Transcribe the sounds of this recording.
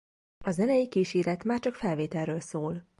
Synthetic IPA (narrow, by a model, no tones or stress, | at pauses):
ɒzɛnɛjikiːʃiːɾɛt̪maːrt͡ʃɒkfɛlveːt̪ɛlrøːlsoːl